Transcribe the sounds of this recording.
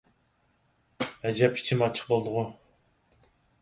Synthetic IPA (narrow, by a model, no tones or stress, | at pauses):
æd͡ʒɛp̚kʲʰi̥t͡ʃʰimɑt͡ʃʰə̥q̚bolˠd̪ʊʁʊ